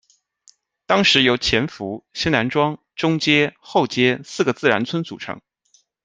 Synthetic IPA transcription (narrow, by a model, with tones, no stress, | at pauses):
t̪ɑ˥ŋʂɻ̩˧˥jo˧˥ʊt͡ɕʰjɛ˧˥nfu˧˥ɕi˥ŋna˧˥nʈ͡ʂwɑ˥ŋ | ʈ͡ʂʊ˥ŋt͡ɕjɛ˥xo˥˩ʊt͡ɕjɛ˥sɹ̩˥˩ɡə˩t͡sɹ̩˥˩ɻa̰˧˥nt͡sʰwə˥nt͡su˨˩ʈ͡ʂʰɤ̰˧˥ŋ